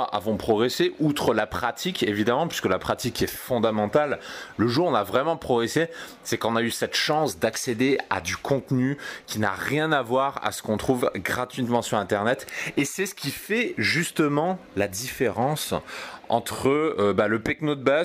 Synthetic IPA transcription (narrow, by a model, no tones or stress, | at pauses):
ʔa̰vɔ̃pχɔɡʁeseʔut̪χəlapχat̪ʰikevid̪amɑ̃pɥiskəlapχat̪ikɛfɔ̃d̪amɑ̃t̪alːəʒuʁɔ̃navʁɛmɑ̃pχɔɡʁese | sɛkɔ̃naysɛt̪ʃɑ̃sd̪aksed̪ea̰d̪ykʰɔ̃t̪nykʲina̰ʁjɛ̃navwaʁa̰sə̥kɔ̃t̪χuvɡʁat̪ɥit̪mɑ̃syʁɛ̃t̪ɛʁnɛt̪esɛsə̥kʲifɛʒyst̪əmɑ̃lad̪ifeʁɑ̃sɑ̃t̪χəːbaləpɛknod̪̚baz